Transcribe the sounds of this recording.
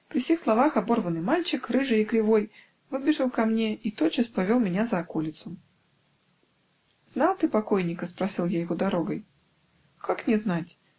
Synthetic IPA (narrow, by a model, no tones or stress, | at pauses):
pɾʲiwsʲixslˠavaxabɔrvɐnɨmalʲt͡ʃɪkrɨʐɨikɾʲɨvɔj | vɨbʲɪʐɐwkamnʲɛit̪ɔt͡ʃɐspavʲɔlˠmʲɛnʲazɐːkɔlʲit̪sʊ | zn̪alˠt̪ɨpakɔjnʲikɐspɾasʲilˠjajɣɔd̪aɾɔɣɐj | kaknʲɛznat͡sʲ